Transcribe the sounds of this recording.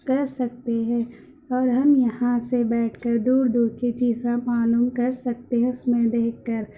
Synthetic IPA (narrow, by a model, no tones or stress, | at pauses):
kɐɾsɐk̚t̪eɦɛ̃ː | ɔːɾɦɐmjɐɦãsebɛːʈʰkɐɾd̪uːɾd̪uːɾket͡ʃiːzapaːnumkɐɾsɐk̚t̪eɦɛ̃ʊsmẽd̪eːkːɐɾ